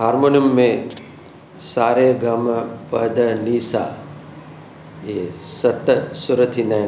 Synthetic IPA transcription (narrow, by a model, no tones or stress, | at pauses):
ɦaːɾmoːnjumːẽ | saːɾeɡɐmpəd̪ɐniːsa̰ː | jesɐt̪sʊɾət̪ʰinɐ